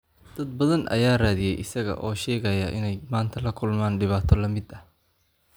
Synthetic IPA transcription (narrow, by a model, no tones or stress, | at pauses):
d̪̥ɐd̪̚bɐðɐnʔɐ̰jaːraːðɪjɛjʔɪsɐɣɐ̰ʔɔːʃɛːɣɐjɐʔɪ̰nɛjmaːnt̪ʰɐlɐkʰʊlmaːnɖɪβaːt̪ʰɔlɐmɪd̪ɐh